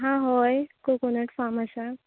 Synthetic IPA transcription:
ɦãɦojkokonəʈfaməsa

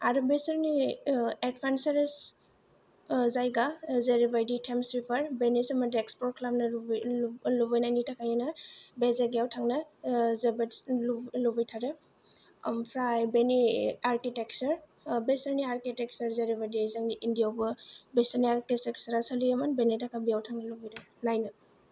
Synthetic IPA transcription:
aɾubesɐɾnied̚pʰansaɾes | zajɡazeɾibajditʰemsɾipʰɐɾbenisamadekspɔɾkʰlap̚nɐ | lubajnajnitʰakʰajanɐbezeɡijawtʰaŋnɐzebetsllubijtʰaɾe | mpʰɾajbeniaɾkitek̚sɐɾ | besɐɾniaɾkitek̚sɐɾzeɾibajdizaŋdiʔindijawbɯbesɐɾniaɾkiseksɐɾasɐlijamanbenitʰakʰabijawtʰaŋnɐlubijɾenajnɯ

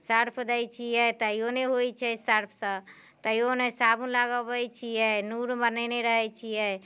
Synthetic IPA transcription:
səɾpʰd̪əjt͡ʃʰijɛt̪əijoneɦojt͡ʃʰɛsəɾpʰsə̃ | t̪əjonɛsabũlaɡəbət͡ʃʰijɛnuɾbənəneɾəɦɛt͡ʃʰijɛ

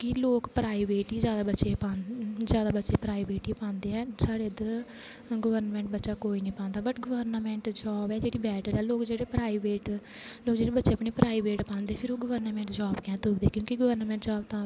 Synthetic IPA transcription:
kɪloːkpɾaːiːʋeːʈiːzjaːd̪aːbətːʃeːpãzjaːd̪aːbətːʃeːpɾaːiːbeːʈiːpãːnd̪eːɛːsaːɽeːəd̪əɾ | ɡəʋəɾnmɛ̃ːɳʈbətːʃaːkoːiːnĩːpãːnd̪aːbəʈɡəʋəɾnmɛ̃ːɳʈd͡ʒaːbɛːd͡ʒeːɽiːbɛːʈəɾɛːloːkd͡ʒeːɽeːpɾaːiːʋeːʈ | loːkd͡ʒeːɽeːbətːʃeːəpɳiːpɾaːiʋeːʈpãːnd̪eːpʰɪɾoːɡəʋəɾnmɛ̃ːɳʈd͡ʒaːbkɛ̃ːt̪ʊbd̪eːkjõːkiɡəʋəɾnmɛ̃ːɳʈd͡ʒaːbt̪ãː

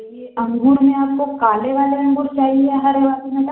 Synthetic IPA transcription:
eɐ̃ŋɡʱuːɽmẽaːp̚kokaːleʋaːleɾɐ̃ŋɡʱʊst͡ʃaːɦiɦɛɦɐɾɪʋaːsimẽk

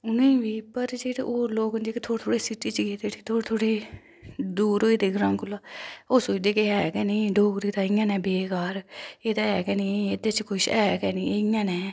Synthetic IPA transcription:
ʊnẽːʋiːpəɾd͡ʒeːɽeʔoːloːknd͡ʒeːkt̪ʰoːɾt̪ʰoːɽeːsiʈːiːt͡ʃɡeːd̪eːʈʰiːt̪ʰoːt̪ʰoːɽeː | d̪uːɾoːiːd̪eːɡɾãmkʊlːaːoːsoːt͡ʃd̪eːkeɛːɡɛːnĩːɖoːkɾiːt̪aːɪːãːnɛ̃ːbeːkaːɾeːd̪aːɛːɡɛːnĩːeːd̪eːt͡ʃkʊʃɛːɡɛːniːeɪjãːnɛː

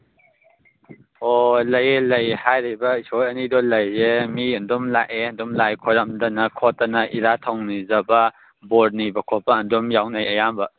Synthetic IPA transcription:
ɔlɐjlɐjhajɾibɐisɔjɐnidɔlɐjzemiɐndɔmlaʔendɔmlajkʰɔɾamdɐnɐkʰɔtanaʔiɾatʰɔwŋnizɐbɐ | bɔd̚nibɐkʰɔpaːndɔmjawnajɐjamba

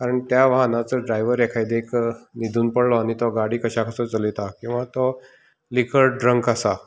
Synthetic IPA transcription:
kaɾəɳt̪jaʋaɦnat͡səɖɾajʋəɾɛkʰajd̪ekʰnid̪ʱuːnpəɽlɔañit̪ɔɡaɽiːkəɕakʰəsət͡səlit̪akĩw̃ʋat̪ɔ | likʰəɾɖɾəŋkasa

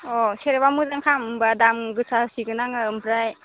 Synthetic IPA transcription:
ɔseɾebamuzaŋkʰamɯmbadamɡɯsʰaɯsiɡɯnaŋɯɯmpʰɾaj

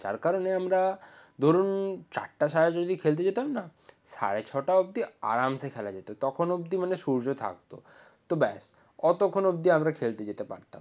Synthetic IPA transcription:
d͡ʑa̰ɾkaɾoneamɾa | d̪ʱoɾunt͡ɕa̰ʈːaʃaɾed͡ʑod̪ikʰelt̪̬ed͡ʑet̪amnasa̰ɽet͡ɕʰɔʈaob̚d̪ia̰ɾamsekʰɛlad͡ʑet̪ot̪ɔkʰonobd̪imaneʃuɾd͡ʑot̪ʰa̰kt̪o̰ | t̪obɛs | ɔt̪okʰonobd̪iamɾakʰelt̪ed͡ʑet̪epa̰ɾt̪a̰m

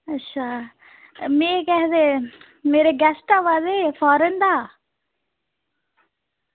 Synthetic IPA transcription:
ɐtːʃʰa | mẽkɛɦd̪e | meːɾeɡɛsʈaʋaːzefʰɔːɾənd̪aː

